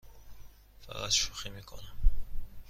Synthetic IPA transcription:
fæ̰ɣæ̰t̪ʃuximiːkʰo̰næm

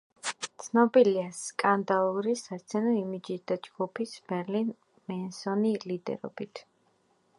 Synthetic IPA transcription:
t̪sʰnɔbiliaskʼand̪alˠuɾisaɾt̪sʰɛnɔimid͡ʒisd̪ad͡ʒɡ̥upʰisb̥ɛɾlin | mɛnsɔnilid̪ɛ̰ɾɔ̰b̥it̪ʰ

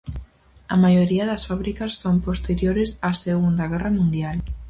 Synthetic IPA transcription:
ɐmajoɾiɐðɐsfaβɾikɐsːompost̪eɾjoɾɪsaseɣund̪ɐɣ̞ɛrɐmũnd̪jal

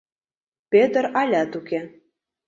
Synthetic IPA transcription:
pʲet̪ə̆ɾɑlʲæt̪uke

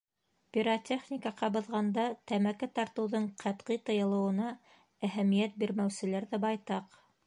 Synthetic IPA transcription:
pʲiɾotʲʰeχnʲikɑqɑbɤ̆ðʁɑnd̪ɑt̪æmækæt̪ɑɾt̪ɤ̆wðɤɴqʰæt̪qijt̪ɤ̆jɤ̆lˠɤ̆wɤ̆nɑ | æɦæmijæt̪̚biɾmæwsɘ̆læɾðæbɑjt̪ɑq

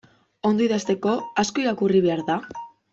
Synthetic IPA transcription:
o̞nd̪oiðast̪e̞ko̞asko̞iɾakuriβ̞e̞aɾða

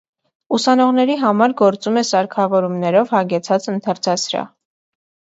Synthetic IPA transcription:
usɑnɔʁnɛɾiɦɑmɑɾɡɔɾt͡sumɛsɑɾkʰɑvɔɾumnɛɾɔvhɑɡɛt͡sʰɑt͡sənt̪ʰɑɾt͡sʰɑsɾɑ̰

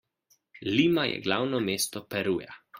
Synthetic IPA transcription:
liːmajɛ̰ɡlawnɔmeːst̪ɔpɛɾuːja̰

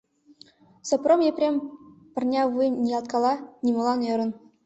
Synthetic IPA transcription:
sɤ̆promjeprʲemʲpɤ̆rnʲɑvujmnʲijɑlˠt̪̚kɑlˠɑnʲimɤ̆lˠɑnɤ̆ɾɤ̆n

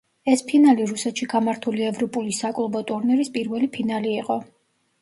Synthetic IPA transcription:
ɛspʰinaliɾusɛt̪ʃiɡamaɾt̪ʰuliɛvɾɔpʼulisakʼlˠbɔt̪ʼuɾniɾispʼiɾvɛlipʰinaliːqʼɔ

